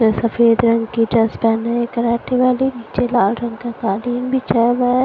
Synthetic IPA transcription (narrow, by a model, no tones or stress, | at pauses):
esɐfeːd̪ɾɐ̃ŋɡkid͡ʒɐspɛːnaẽkɐɾaːʈeʋaːliniːt͡ʃelaːlɾɐ̃ŋɡkat̪aːliːmbʱit͡ʃaːʋa